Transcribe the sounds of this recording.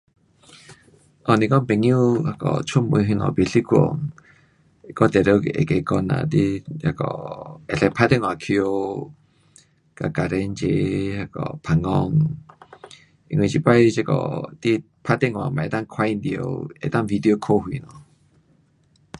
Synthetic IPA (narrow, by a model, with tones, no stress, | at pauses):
ʔɔ˧˨nĩ˧kɔ˦mpe˧˨ŋju˦ha˧˨kɔ̰˨t͡ʃʰu˦mɨ˧ɦi˧nɔ̰̃˨˧˨bi˧˨ɬi˦kʷo̰˨ŋ˧ | kɔ˦t̪e˨ɾe˧˦˧ke˨ʔḛ˨ke˧˨kɔ˧nã̰˧˨t̪i˦a˧kɔ̰˨e˨ɬɛ˧pʰa˧˦t̪e˦ŋwa˧˨kʰi˧o˧ | ka˨ka˨ɾe˧˦nt͡ʃe˧ha˧kɔ̰˨pʰa˧ŋɔ˧ŋ | i˧ŋ̃˧˨t͡ʃi˧pa˦jt͡ʃe˧˦kɔ̰˨t̪i˦ | pʰa˧t̪e˦ŋwa˨ma˨e˧t̪a˦ŋkʰwa˧jnd̪i˧˨o̰˧ḛ˧˨t̪a˦vi˧d̪i˧o˧kʰo˦ɦwi˧˨nɔ̃˨